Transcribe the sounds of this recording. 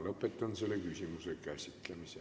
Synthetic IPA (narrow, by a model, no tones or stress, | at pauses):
lopːˑet̪ːɑnsilːekysimysekæsit̪ːlæmise